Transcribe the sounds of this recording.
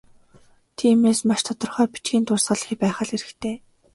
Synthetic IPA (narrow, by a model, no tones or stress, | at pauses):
t̪ʰiːmeːsmaʃt̪ʰɔt̪ɞ̆rχœːpi̥t͡ɕɡiːnt̪ʊːsʁə̆ɮxiːpæːχə̆ɮeɾɘ̆xt̪ʰeː